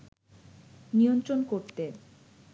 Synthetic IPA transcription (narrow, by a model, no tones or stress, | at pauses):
nijont̪ɾonkoɾt̪e